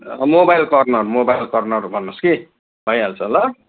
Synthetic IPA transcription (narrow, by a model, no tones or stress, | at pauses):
ʌmobajlkʌrnʌrmobajlkʌrnʌrbʱʌnːoski | bʱʌjalt͡sʰʌlʌ